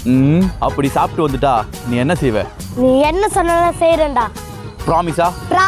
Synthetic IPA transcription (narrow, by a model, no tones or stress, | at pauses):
ɐpːɐɽisaːpɪʈːɯʋɐnd̪ɯʈːaː | nĩːɛnːɐsɛjʋḛ̃ː | nĩːɛnːɐsɔnːɐlãːsɛjɾɛɳɖaː | pɪɾaːmɪsaːpɾaː